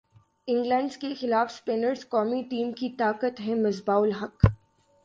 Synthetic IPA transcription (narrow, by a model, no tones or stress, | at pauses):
ɪ̃ŋɡlɛ̃ɳɖzkexɪlaːfspeːnəɾzkɔːmiʈiːmkit̪aːkət̪ɦɛ̃mɐzbaːʊlɦɐk